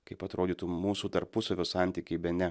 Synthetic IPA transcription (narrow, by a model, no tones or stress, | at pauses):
kɐɪpɐt̪ɾoːd̪ʲiːt̪uːmuːsuːt̪ɐɾpʊsɐʋʲoːsɑˑnʲt̪ʲiːkʲɛɪbʲɛnʲɛ